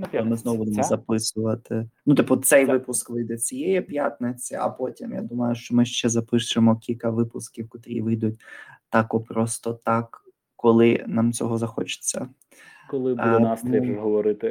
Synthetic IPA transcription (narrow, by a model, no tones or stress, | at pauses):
mɪznɔwʊbud̪emɔzɐpɪsʊʋɐt̪ɪnʊt̪ɪpːɔt̪sɛjʋɪpʊskʋɪjd̪ɛt͡sʲijɛjɛpʲjat̪nɪt͡sʲiɐ̰pɔtʲimja̰d̪umɐjʊʃt͡ʃɔmɪʃt͡ʃɛzɐpɪʃʊemɔkʲilʲkɐʋɪpʊskʲiwkɔt̪ɾʲḭʋɪjd̪ʊt̚ʲt̪ɑkɔpɾɔst̪ɔt̪ɑkː | ɔlˠɪnɑmt͡sʲɔɦɔzɐxɔ̰t͡ʃɪ̥t͡sʲːɐ | kɔlˠɪbnɑstniɦɔʋɔɾɪt̪ɪ